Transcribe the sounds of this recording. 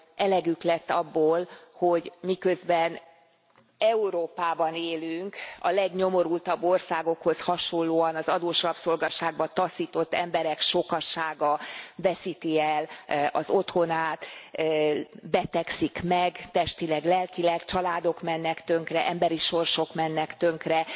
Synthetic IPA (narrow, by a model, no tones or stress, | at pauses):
ɛlɛɡyklɛt̪ːɒbːoːlho̞ɟmikø̞zbɛn | ɛuɾoːpaːbɒneːlyŋkɒ̰lɛɡɲo̞mo̞ɾult̪ɒbːo̞rsaːɡo̞kho̞shɒʃo̞nlːoːɒnɒzɒd̪oːʃɒpso̞lɡɒʃaːɡ̚bɒt̪ɒsiːt̪o̞t̪ːɛmbɛɾɛkʃo̞kɒʃaːɡɒvɛsit̪iɛlɒ̰zo̞t̪ho̞naːt̪ː | bɛt̪ɛksikmɛɡt̪ɛʃt̪ilɛɡlɛlkilɛkt͡ʃɒlaːd̪o̞kmɛnːɛkt̪ø̞ŋkrɛʔɛmbɛɾiʃo̞rʃo̞kmɛnːɛkt̪øŋkrɛ